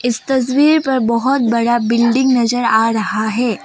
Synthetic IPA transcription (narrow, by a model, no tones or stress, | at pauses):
ɪst̪ɐs̬wiːɾpɐɾbɐɦʊt̪̚bɐɽabɪlɖɪ̃ŋɡnɐzəɾaːɾɐɦaɦɛː